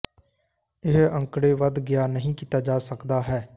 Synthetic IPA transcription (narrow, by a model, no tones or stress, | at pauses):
ɪɦə̃ŋkɽeːʋəd̪ɡɪjaːnəɦĩːkiːt̪aːd͡ʒaːsəkd̪aːɦɛː